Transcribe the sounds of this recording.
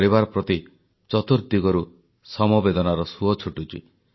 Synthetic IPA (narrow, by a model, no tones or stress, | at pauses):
ɾibaɾɔpɾɔt̪i | t͡ʃɔt̪uɾd̪iɡɔɾu | sɔmɔbed̪ɔnaɾɔsuɔt͡ʃʰuʈut͡ʃḭ